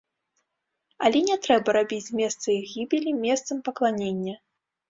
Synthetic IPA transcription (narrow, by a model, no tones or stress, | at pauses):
ɐlʲɛnʲɛt̪ɾɛbɐɾabʲit͡sʲmʲɛst̪sɐiɣʲibʲilʲimʲɛst̪sɐmpɐklˠanʲenʲːɐ